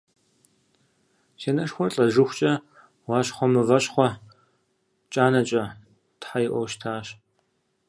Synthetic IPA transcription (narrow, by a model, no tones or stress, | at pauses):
ʃeːnɐʂxʷɔrɬʼɐʒɨxʷt͡ʃʼɐ | wɑːɕχʷɔmɨvɐɕχʷɔ | t͡ʃʼaːnɐt͡ʃʼɐ | tħajɪʔʷɔwʃtʰaːɕ